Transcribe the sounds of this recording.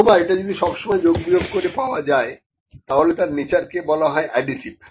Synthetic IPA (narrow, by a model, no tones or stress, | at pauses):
obaeʈad͡ʑod̪iʃɔbʃomɔed͡ʑoɡbijoɡ̚koɾepaoad͡ʑae | t̪aɦolet̪aɾnit͡ɕaɾkebɔlaɦɔeʔaɖisip̚